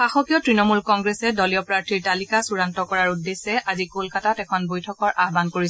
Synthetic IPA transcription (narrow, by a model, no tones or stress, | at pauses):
xaxɔkijɔtɹinɔmulkɔŋɡɹɛsɛdɔlijɔpɹaɹtʰiɹtalikasuɹantɔkɔɹaɹudːesɛʔazikolkatatɛkʰɔnbojtʰɔkɔɹʔaɦbankoɹis